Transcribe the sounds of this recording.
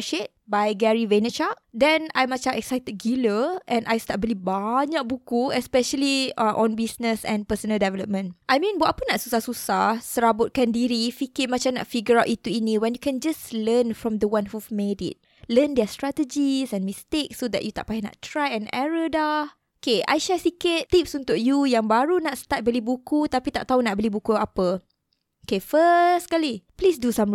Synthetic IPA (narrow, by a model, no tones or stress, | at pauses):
ʃet̚bajɡɛɹivenət͡ʃakdɛ̃na̰jmat͡ʃãmɛksajt̪əd̚ɡiləʔɛ̃najst̪at̚bilibaɲak̚bukuɛspɛʃəliaʔɔ̃nbisnəsɛ̰̃npəsənəldɛvɛləp̚mə̃nʔajmĩnwaʔapənatsusahsusasəɹabʊt̚kãndiɾifikɪmat͡ʃãmna̰ʔfiɡəɹawʔit̪uiniwɛ̃njukɛ̃nd͡ʒaslənfɹɔ̃md̪əwãnhumedḭt̚ | ləndɛstɹat̪əd͡ʒisɛ̃nmist̪ek̚sodɛ̰ʔjut̪a̰ʔpajɪna̰ʔt̪ɹajɛ̃nɛ̰ɹədah | okeʔa̰jʃasikɪt̪t̪ipsunt̪ʊʔ̚jujaŋbaɾunaʔst̪at̪̚bəlibukut̪apit̪aʔt̪aɦunaʔbəlibukuapə | okefəskaliplisdusãm